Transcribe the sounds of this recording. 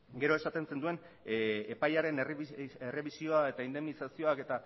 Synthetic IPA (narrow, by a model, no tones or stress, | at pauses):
ɡe̞ɾo̞e̞sat̪e̞nse̞nd̪ue̞n | epajaɾe̞nere̞βisio̞ae̞t̪aind̪e̞mnisasio̞ake̞t̪a